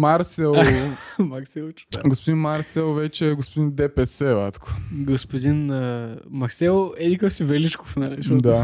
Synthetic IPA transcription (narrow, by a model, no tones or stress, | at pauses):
maɾsɛlˠmaksɛlˠ | ɡospod̪inmaɾsɛlˠvɛt͡ʃɛːɡospod̪ind̪ɛpɛsɛvat̪kʰo̥ɡospod̪inəmɐksɛlˠɛd̪ikəfsivɛlit͡ʃko̥fnɐliʃɔd̪a